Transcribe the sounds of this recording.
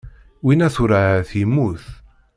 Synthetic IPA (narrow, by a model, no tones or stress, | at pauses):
winæθʊɾaθimːuθ